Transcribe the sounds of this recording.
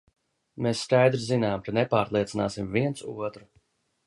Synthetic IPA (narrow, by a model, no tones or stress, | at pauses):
mesːkajd̪ɾizinaːmkanepaːɾlˠiɛt̪sinaːsimviɛnt̪suɔt̪ɾu